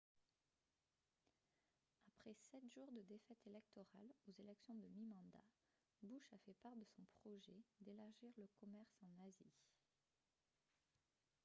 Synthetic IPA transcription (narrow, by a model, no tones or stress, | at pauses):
apχɛsɛt̪ʒ̥uʁd̪əd̪efɛt̪elɛk̚t̪ɔʁalozelɛksjɔ̃d̪əmimɑ̃d̪a̰ | buʃafɛpaʁd̪əsɔ̃pχɔʒɛd̪elaʁʒiʁləkɔmɛʁsɑ̃nazi